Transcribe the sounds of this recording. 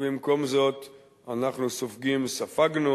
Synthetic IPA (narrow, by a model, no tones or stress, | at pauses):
bɪmkɔmzɔt̪ | anaχnusɔfɡimsafaɡnu